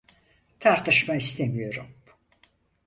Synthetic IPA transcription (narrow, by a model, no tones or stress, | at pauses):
t̪ʰaɾt̪ʰɯʃmaist̪ʰe̞mijo̞ɾum